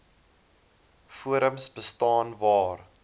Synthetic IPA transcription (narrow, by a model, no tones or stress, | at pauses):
fuəɾəmsbəstɑːnvɑːr